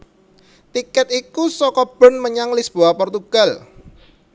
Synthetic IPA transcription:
t̪ikɛt̪ikusɔkɔb̥ɔ̤nməɲaŋlisb̥oahpɔrt̪uɡ̥al

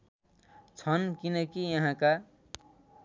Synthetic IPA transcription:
t͡sʰʌnkinʌkijʌɦãka

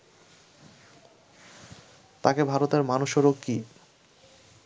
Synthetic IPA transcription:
t̪akebʱaɾot̪eɾmanuʃɔɾokki

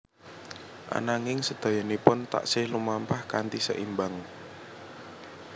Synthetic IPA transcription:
ʔa̰naŋɪŋsəd̪̥a̤janepʊnt̪a̰ʔsɪhlumampahkant̪isə̰ʔimbaŋ

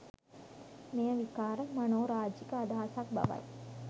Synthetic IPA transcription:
mejəʋikaːɾəmɐnoːɾaːd͡ʒikəːd̪aːasak̚bɐ̰ʋɐ̰j

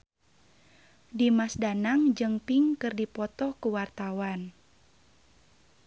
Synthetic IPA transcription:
dimasdanaŋd͡ʒɨŋpiŋkɨrdipɔt̪ɔhkuwart̪awan

